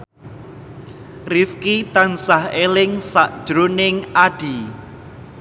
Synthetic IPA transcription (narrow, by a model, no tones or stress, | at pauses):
rifkit̪ansahelɪŋsa̰ʔd̥ʒ̥ɾonɪŋaɖ̥i